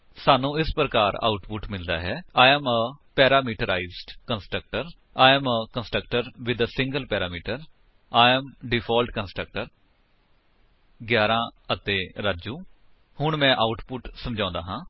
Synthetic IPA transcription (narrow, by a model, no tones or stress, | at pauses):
saːnũːɪspɾəkaːɾa̰ːʊʈpʊʈmɪld̪a̰ːɦɛːaːɛməpɛːɾaːmiːʈəɾaːizɖkənsʈɾək̚ʈəɾ | aːɛməkənsʈɾəkʈəɾʋɪd̪sɪ̃ŋɡəlpɛːɾaːmiːʈəɾ | aːəmɖɪpʰaːlʈkənsʈɾək̚ʈəɾ | ɡjaːɾãːət̪eːɾaːd͡ʒuː | hʊɳmɛ̃ːʔaːʊʈpʊʈsəmd͡ʒãːnd̪aːɦãː